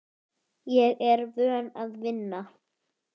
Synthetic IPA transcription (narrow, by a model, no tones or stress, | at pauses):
jɛɣɛɾvœːnaðvɪnːa